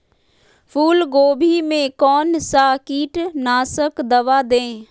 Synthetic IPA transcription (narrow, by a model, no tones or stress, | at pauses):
fʰuːlɡoːbʱimẽkɔːnsakiːʈnaːsəkd̪ɐʋad̪ẽː